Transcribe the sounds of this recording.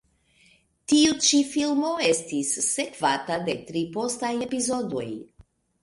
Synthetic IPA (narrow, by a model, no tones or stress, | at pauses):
tiut͡ʃifilmo̞e̞stisːe̞kvatade̞tɾipo̞staje̞pizo̞do̞̰j